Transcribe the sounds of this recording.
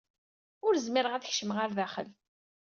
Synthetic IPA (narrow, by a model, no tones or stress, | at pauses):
ʊɾzmɪɾəʁæθəçʃəmʁaɾðæχə̰l